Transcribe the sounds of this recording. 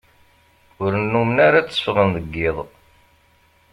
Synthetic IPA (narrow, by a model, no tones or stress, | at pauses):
ʊɾənːumnaɾat͡sːə̥fʁənðəɡːɪðˤ